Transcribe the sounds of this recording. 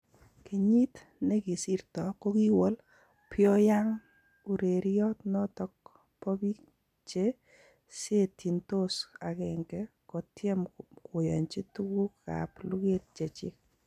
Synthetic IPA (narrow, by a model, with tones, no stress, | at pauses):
ki˨ɲi˦t | ne˦ki˨si˦rtɔ˨ko˦ki˦wɔ˦l | pjɔ˦ja˦ŋ | u˨ɾe˨ɾjɔ˦tnɔ˦tɔ˦k̚ | pɔ˦bi˦ | t͡ʃe˦ | se˦tʰi˨nto˦sa˨kɛ˨ŋɡɛ˦ | ko˨tjɛ˦mko˨jɔ̰˨ɲt͡ʃi˦tu˦ku˦ka̰˨plu˦ɡe˦t̚t͡ʃe˨t͡ʃɪ̰˦k̚